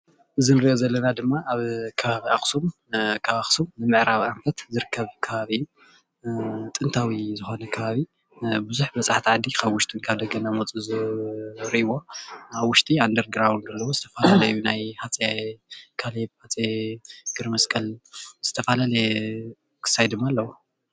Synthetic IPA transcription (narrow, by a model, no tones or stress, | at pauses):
ʔɨzɨnɨɾɨʔozɐlːɐnad̪ɨmːaʔaβkʰɐβaβiʔaxsum | kʰaβaxsumnɨmɨʕɾaβʔamfɐt̪zɨɾɨkʰːɐβkʰɐβaβiɨjːu | t̪ʼɨnt̪ʰawizɨxo̞nɐkʰɐβaβi | bɨzuħbɐt͡sʼaħt̪ʰiʕad̪ikʰaβwʊʃt̪ʰʼinkʰaβd̪ɐɡɐnamot͡sʼuz | ɾɨʔiwo̞aβwʊʃt̪ʼiand̪ɐɾɡɾawnɡɐlːɐwozɨt̪ʰɐfalalɐjjunajhat͡sʼekʰalehat͡sʼeɡɨɾmɐskʼɐlz̥ɨt̪ʰɐfalale | kʰɨ̥sːajd̪ɨmːaːlːɐwo